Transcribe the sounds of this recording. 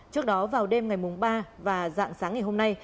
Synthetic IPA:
t͡ɕɨ˦˥ək̚ɗɔ˨˦vaː˨˩wɗe˧mŋa˨˩jmu˨˩ŋ͡mɓaː˧vaː˨˩za̰ː˧˨ŋsaː˨˦ŋːa˨˩jɦo˧mna˧j

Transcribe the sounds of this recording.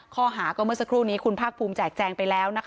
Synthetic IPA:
kʰɔː˥˩ɦaː˩˦kɔː˥˩mɯ˥˩ɐsa˧˥kʰɾuː˥˩niː˦˥kʰu˧npʰaː˥˩k̚pʰuː˧mt͡ɕɛː˨˩k̚t͡ɕɛː˧ŋpa˧jlɛː˦˥wna˦˥kʰ

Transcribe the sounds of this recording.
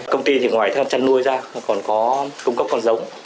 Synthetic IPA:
kə˧wŋ͡mt̪i˧t̪ʰi˨˩ŋwaː˨˩jt̪ə˨˦hə˧˩t͡ɕa˧nːu˧əjzaː˧kɔ˨˩nkɔ˨˦kʊ˧ŋ͡mkə˦˥p̚kɔ˨˩nzə˨˦wŋ͡m

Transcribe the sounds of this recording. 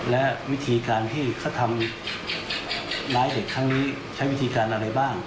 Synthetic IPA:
lɛ˦˥wi˦˥t̪ʰiː˧kaː˧nt̪ʰiː˥˩kʰa˥˩wt̪ʰa˧m | laː˦˥jde˨˩kʰːɾa˦˥ŋniː˦˥ | t͡ɕʰa˦˥jwi˦˥t̪ʰiː˧kaː˧nʔa˧ɾa˧jbaː˥˩ŋ

